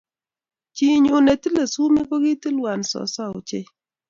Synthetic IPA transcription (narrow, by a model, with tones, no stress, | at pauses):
t͡ʃi˨ɲʊ˨ne˨ti˦le˨su˦me˦ko˦ɡi˦ti˦lwa˨nsɔ̰˨sa˦o̰˨t͡ʃe˦